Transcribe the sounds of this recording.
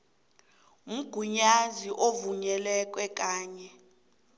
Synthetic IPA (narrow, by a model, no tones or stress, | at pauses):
m̩ɡ̥ʱuɲaziʔovuɲɛlɛk̬ʼwɛk̬ʼaːɲɛ